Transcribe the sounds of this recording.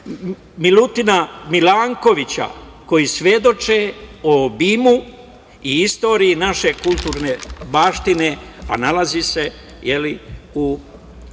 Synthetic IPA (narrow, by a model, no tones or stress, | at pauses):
milut̪inamilaːŋko̞ʋit͡ɕa̰ | ko̞jisʋje̞d̪o̞t͡ʃeobimu | iist̪o̞ːɾiinaʃe̞kulˠt̪uːɾne̞baːʃt̪inea̰nalazise̞ | je̞liu